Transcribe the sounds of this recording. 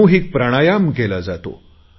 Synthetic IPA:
ũɦik̚pɾaɽ̃ajamkelad͡zat̪o̰

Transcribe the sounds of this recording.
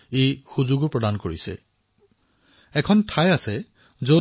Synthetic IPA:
ejxuzuɡɔɹpɹɔdankoɹisɛ̰ | ɛkʰɔntʰajasɛ | zo

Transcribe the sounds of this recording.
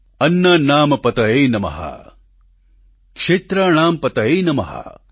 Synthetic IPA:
ɐnːɐnaːmɐpɐt̪ɐeːnɐmɐ̰ɦɐ̰ | kʂeːt̪ɾaːɳaːmpɐt̪ɐeːnɐmɐɦɐ̰

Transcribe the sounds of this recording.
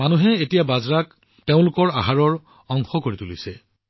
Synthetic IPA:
manuɦɛetijabazɹak | teʊ̃lʊkɔɹaɦaɹɔɹ | ɔŋxɔkoɹitulisɛ

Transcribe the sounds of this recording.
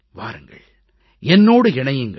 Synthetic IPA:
ʋa̰ːɾɯŋɡɐ̰ɭ | ɛnːoːɽɯɪɳɐjɯŋɡɐ

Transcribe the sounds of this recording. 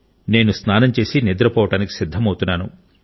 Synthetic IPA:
ne̞ːnusnaːnɐmt͡ʃe̞ːsinid̪ɾɐpɔːʋɐʈaːniki̥sid̪ʱːɐmɐwt̪unːaːnu

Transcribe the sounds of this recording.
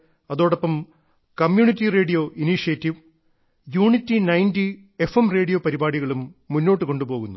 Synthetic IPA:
ɐðo̞ːɽɐpːɐm | kɐmjuːɳitːire̞ːɖijo̞ʔiniʂijɐtːiʋ | juːɳitːinɐjndi | efemre̞ːɽijo̞pɐɾibaːɽiɣɐɭumːunːo̞ːʈːɨko̞ɳɖupo̞ːɣunːu

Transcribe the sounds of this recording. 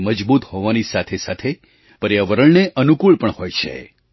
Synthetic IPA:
məd͡ʒbut̪hoʋanisat̪ʰesat̪ʰe | pəɾjaʋəɾəɭneʔənukuɭpəɳhojt͡ʃʰḛ

